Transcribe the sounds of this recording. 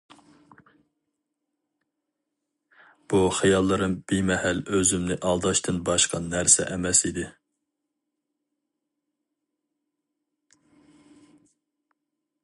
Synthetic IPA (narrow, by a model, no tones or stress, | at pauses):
b̥uχijɑlˠːɨɾɨnb̥imɛhæløzymnɪʔɑlˠd̪ɑʃt̪ʰɨnbɑʃqʰɑnæɾsɛ̰ʔɛmɛsid̪ɪ